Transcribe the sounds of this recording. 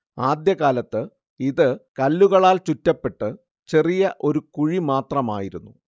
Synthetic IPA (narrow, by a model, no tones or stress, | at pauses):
aːd̪jɐɣaːlɐt̪ːɨ | iðɨkɐlːuɣɐɭaːlt͡ɕutːɐpːe̞ʈːɨ | t͡ɕe̞rijɐʔo̞ɾukuɻimaːt̪rɐma̰ːjiɾunːu